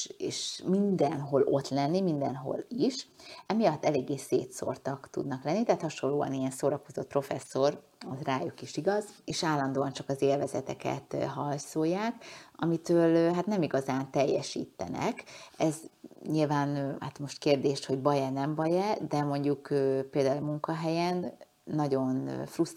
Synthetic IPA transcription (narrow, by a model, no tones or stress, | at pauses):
eːʃmind̪ɛnɦo̞lʔo̞t̪lɛnːimind̪ɛ̰nɦo̞̰liʃɛmijɒt̪ːɛleːɡːeːsḛːt̪so̞̰rt̪ɒkt̪ṵd̪nɒklɛnːit̪ɛɦaːt̪hɒʃo̞lːoːɒ̰nijɛnsoːɾɒko̞zo̞t̪̚pro̞fɛsːo̞r | ot̪raːjukiʃiɡɒzeːʃaːlːɒnd̪oːɒnt͡ʃɒkɒzeːlvɛzɛt̪ɛkɛ̰t̪ɦɒlt̪sojːaːkɒmit̪øːlɦat̪nɛmiɡɒzaːnt̪ɛjːɛʃḭːt̪ːɛ̰nɛ̰kɛzɲilvaːnha̰t̪mo̞ʃt̪keːrd̪eːʃt̪ho̞ɟbɒjɛnɛmbɒjɛd̪ɛmo̞ɲɟukøːpeːld̪aːulmuŋkɒɦɛjɛnː | ɒɟo̞nfrust̪